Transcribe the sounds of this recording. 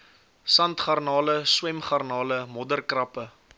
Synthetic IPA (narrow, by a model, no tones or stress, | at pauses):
sɐntχɐrnɑːləswɛmχɐrnɑːləmɔdərkrɐpə